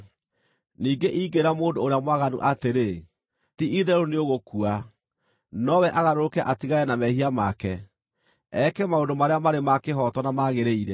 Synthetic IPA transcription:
niːɡeʔiːɡeɾamoːndoːɾeamwaɣanṵʔateɾe | tiʔiðɛɾoneoɣokua | nɔwɛʔaɣaɾokɛʔatiɣaɛnamɛhiamakɛ | ɛkɛmaondomaɾeamaɾemakeɦɔtwɔnamaɣeɾeiɾɛ

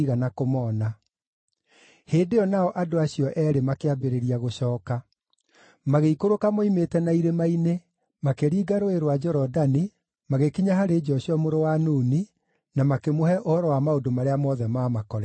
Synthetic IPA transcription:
ɣanakomɔːna | heːndeɔnaɔʔadoaɕijɔʔɛɾemakeabeɾeɾiaɣoɕɔːka | maɣeikoɾokamoimetɛnaiɾemaine | makeɾiːɡaɾoeɾwad͡ʒɔɾɔdani | maɣekiɲaɦaɾeːd͡ʒɔɕiɔmoɾowanuːni | namakemohɛʔohɔɾɔwamaodomaɾeamɔðɛmaːmakɔɾɛ

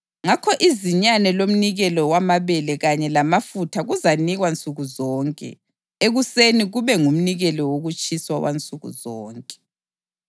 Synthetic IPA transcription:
ŋakʰɔʔiziɲanɛlom̩niɣɛlɔwamaβɛlɛɣaɲɛlamafutʰaɣuzaniɣwant͡sʼuɣuzɔːŋkʼɛ̰ | eɣuseniɣuβɛŋum̩niɣɛlɔwoɣut͡ʃʼʰiswawa̰nt͡sʼuɣṵzɔːŋkʼɛ̥

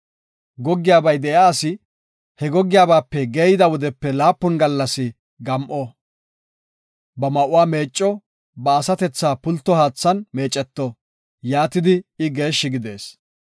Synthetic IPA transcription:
ɡɔɡːɪjaːbɐjd̪ɛjaːsɪ | hɛɡɔɡːɪjaːbaːpːɛɡeːjɪd̪ɐwɔd̪ɛpːɛlaːpːʊnɡɐlːɐsɪ | ɡɐmʔɔ | bɐmɐʔʊwaːme̞ːt͡ʃʼːɔ | bɐːsɐt̪ɛt͡sːaːpʊlt̪ːɔhaːt͡sːɐnme̞ːt͡ʃʼːɛt̪ːɔ | jaːt̪ɪd̪ɪɪɡe̞ːʃːɪɡɪd̪e̞̰ːs

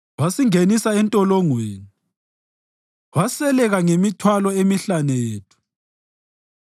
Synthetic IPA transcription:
wasiŋenisaɛntʼɔlɔŋweːni | wasɛlɛɣaŋemitʰwalɔemiɬaneːtʰu̥

